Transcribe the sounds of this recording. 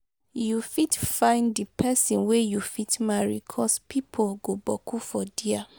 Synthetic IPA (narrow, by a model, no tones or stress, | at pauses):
jufitfãɪ̃ndipʰɛsĩnwejufitmaɹḭkʰɔspʰipʰolɡobɔkʰufɔdia